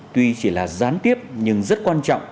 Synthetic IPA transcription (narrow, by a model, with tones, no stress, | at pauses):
t̪wi˧t͡ɕi˧˩laː˨˩zaː˨˦nt̪i˦˥əp̚ɲɨ˧ŋzə˦˥t̚kwaː˧nt͡ɕɔ̰˧˨wŋ͡m